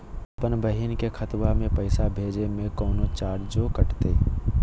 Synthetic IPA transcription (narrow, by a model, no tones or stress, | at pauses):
pənbəɦinkekʰət̪wamẽpəɪsabʱeːd͡ʒemẽkɔːnot͡ʃaːɾd͡ʒokəʈt̪ḛ